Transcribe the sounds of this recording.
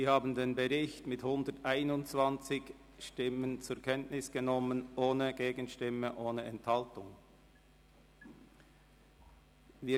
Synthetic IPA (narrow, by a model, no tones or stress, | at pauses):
ziːhaːbən̩deːnbəʁɪçtmɪthʊndətʔaɪnʊntt͡sv̥ant͡sɪç | ʃtɪmənt͡sʊɐkʰɛntnɪsɡ̥ənɔmənʔoːnəɡ̥eːɡən̩ʃtɪməʔoːnəɛnthaltʊŋ | viː